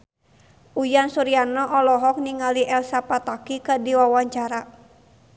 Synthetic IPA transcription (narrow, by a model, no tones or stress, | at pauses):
ujansuɾianɔʔɔlɔɦɔk̚niŋaliʔɛlsapat̪akikadiwawaɲt͡ʃaɾa